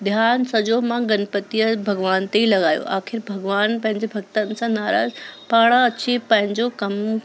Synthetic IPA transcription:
d̪ʱjaːnsɐd͡ʑomãɡɐnpət̪ijəbʱɐɡʋaːnt̪eilɐɠaːjo̰ʔaːxɪɾbʱɐɡʋaːnpɐ̃ɦɪ̃ɲd͡ʑebʱɐɡ̚t̪ənɪ̆sãnaːɾa̰ːzpaːɽ̃aɐt͡ɕipɐ̃ɦɪ̃ɲd͡ʑokɐm

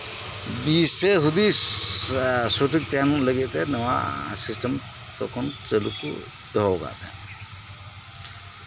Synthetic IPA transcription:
d̪isɛɦud̪i | soʈik̚t̪ijanləɡɛʔt̪ɛnəwa̰sisʈəm | t̪ɔ̰kʰɔntelukṵ | d̪ɔɦɔɡa̰ʔt̪ɛ̰

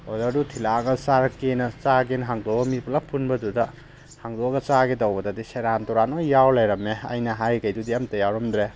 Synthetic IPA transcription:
odɐdutʰilaɡɐsaɾɐkenɐt͡ʃaɡenɦaŋdobɐmiplɐpʰːunbɐdudɐ | haŋdoɡɐt͡ʃaɡedɐwbɐdɐdiseɾantɔɾanojawlajɾɐmeɐ̰jnɐɦajkɐjdudiɐmtɐjawɾɐmd̪ɾe

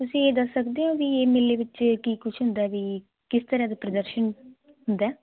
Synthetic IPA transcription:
t̪ʊsĩːeːd̪əsːəkd̪eːɦõːʋieːmeleːʋɪt͡ʃkiːkʊt͡ʃʰɦʊnd̪aːʋiː | kɪst̪əɾaːd̪aːpɾəd̪əɾʃən | ɦʊnd̪ɛː

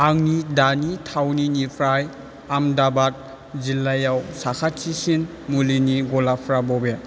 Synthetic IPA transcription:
aŋnidanitʰawninipʰɾaj | amdabat̚ | zilːajawsakʰatsisin | muliniɡɔlapʰɾabɔbe

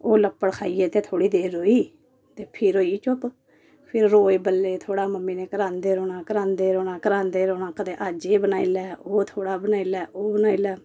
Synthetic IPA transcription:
oːləpːəɽkʰaːiːɛːt̪eːt̪ʰoːɽiːd̪eːɾoːiː | t̪eːpʰɪɾoːiːt͡ʃʊp | pʰɪɾːoːeːbəlːeːt̪ʰoːɽaːməmːiːneːkəɾãːnd̪eːɾoːnaːkəɾãːnd̪eːɾoːnaːkəɾãːnd̪eːɾoːnãːkəd̪eːʔaːd͡ʒeːbənaːiːlɛːoːt̪ʰoːɽaːbənaːilɛːʔoːbənaːiːlɛː

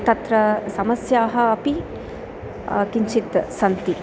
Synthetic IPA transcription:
t̪ɐt̪ɾɐsɐmɐsjaːɦɐɐpi | kiɲt͡ʃit̪sɐnt̪i

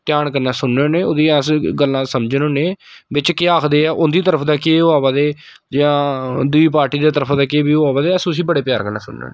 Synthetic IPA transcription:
t̪ɪjaːɳkəɾnaːsʊnːeoːneːʊd̪iːɛsɡəlːãːsəmd͡ʒənoːneː | bɪt͡ʃkeaːkʰd̪eːɛːʔʊnd̪iːt̪əɾəpʰd̪aːkeːʊaːbaːd̪eː | d͡ʒɪãːd̪ʊiːpaːɾʈiːd̪aːt̪əɾəpʰd̪aːkeːbiːaːbaːd̪eːɛsʊs̬iːbəɽeːpjaːɾkəɾnã̰ːsʊ̰nːḛo̰ːneː

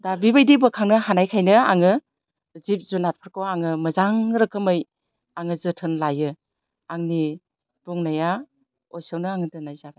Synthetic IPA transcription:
dabibajdibɯkʰaŋnɯɦanajkʰajnɯa̰ŋɯ | zip̚zunat̚pʰɯɾkʰowaŋɯmɯzaŋɾɯkʰɯmɯj | aŋɯzɯtʰɯnlajɯ | aŋni | b̥uŋnaja | ɔjsawnɯaŋɯdɯnajzaba

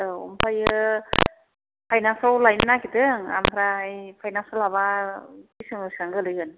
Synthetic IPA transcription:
ɯɔ̰mpʰajɯ | pʰajnansawlajnnakʰitɯŋa̰mʰɾajpʰajnansalaβakisɯŋɯsaŋɡɯlɯjɡɯn

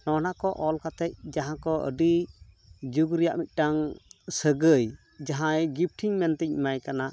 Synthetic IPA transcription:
nɔnaʔkɔʔɔlkat̪ɛc̚d͡ʒaɦãkɔʔə̰ɖi | d͡ʒuɡɾija̰ʔmit̪̚ˀʈaŋsəɡəj | d͡ʒaɦãjɡip̚ʈʰiŋmɛnt̪ɛc̚majkana

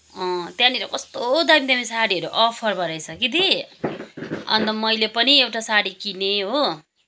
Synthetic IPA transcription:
ʌ̃t̪jãniɾʌ̰kʌst̪od̪ʌjmid̪amisaɽiɦʌɾuʔʌpʰʌrbʌɾʌjsʰʌkid̪i | ʌ̰nt̪ʌmʌjlepʌniewʈasaɽikineɦo

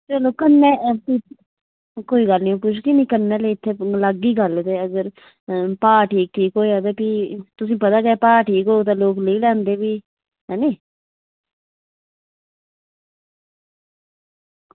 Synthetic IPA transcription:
t͡ʃɛloːkənːeːpi | koːiːɡəlnĩːpʊt͡ʃʰkiːnĩːkənːeːleːɪt̪ʰːeːləɡːiːɡəlt̪eːəɡəɾ | paːʈʰiːk̚ʈʰiːkɦoːiaːd̪eːpiːt̪ʊs̬ĩːpət̪aːkɛːpaːʈʰiːkɦoːt̪ãːloːkləiːlɛ̃ːnd̪eːbiː | ɦɛːneː

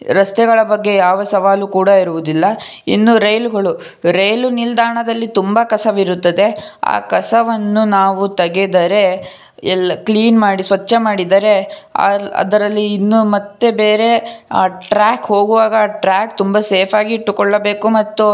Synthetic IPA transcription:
ɾɐst̪ɛɡɐɭɐbɐɡːe̞jaːʋɐsɐʋaːlukuːɽɐiɾuʋud̪ilːɐ | ḭnːuɾɐjluɡɐɭu | ɾejlunild̪aːɳɐd̪ɐlːit̪umbɐkɐsɐʋiɾut̪ːɐd̪e̞a̰ːkɐsɐʋɐnːunaːʋut̪ɐɡed̪ɐɾe̞ | ɛlːɐkɭiːnmaːɽisʋɐt͡ʃːɐmaːɽid̪ɐɾe̞a̰ɐ̰d̪ɐɾɐlːiːnːumɐt̪ːe̞be̞ːɾe̞aːʈɾaːkho̞ːɡuʋaːɡɐːʈɾaːk̚t̪umbɐseːpʰaːɡiːʈːukɔɭːɐbe̞ːkumɐt̪ːu

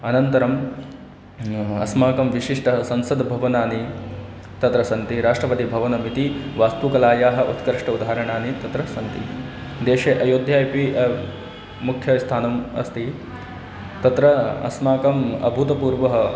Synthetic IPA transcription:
ɐnɐnt̪ɐɾɐm | ɐ̰smaːkɐmʋiʂiʂʈɐɐsɐnsɐd̪bʱɐʋɐnaːni | t̪ɐt̪ɾɐsɐnt̪iɾaːʂʈɾɐpɐt̪ibʱɐʋɐnɐmit̪iʋaːst̪ukɐlaːjaːɦɐ̆ʔut̪kɐɾʂʈɐud̪ʱaɦɐɾɐɳaːnit̪ɐt̪ɾɐsɐnt̪id̪eːʃeʔɐjoːd̪ʱjaːjpiʔ | mukʰjɐst̪ʰaːnɐmɐ̰st̪i | t̪ɐt̪ɾɐɐ̰smaːkɐmɐ̰bʱut̪ɐpuːɾʋɐɦɐ

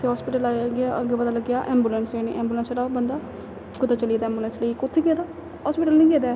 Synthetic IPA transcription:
t̪ʰeːɦɔːspiːʈəlaːɡɪaːʔəɡeːpəd̪aːləɡːjaːʔɛ̃ːmbjulɛnsenḭːʔɛ̃ːmbuːlə̃nsɾaːbənd̪aː | kʊt̪ʰːaːt͡ʃəliːd̪aːɛ̃ːmbulə̃ːnsləikʊt̪ʰːeːkeːd̪aː | ɦɔːspiːʈəlnĩːkeːd̪aː

